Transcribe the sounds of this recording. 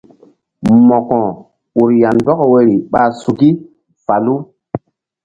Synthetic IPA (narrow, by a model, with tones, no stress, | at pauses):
mɔ˨kɔ̃˨ | u˨ɾja˨nbɔ˦kɔ˨we˦ɾi˨ɓa˨su˨ki˦ | fa˨lu˦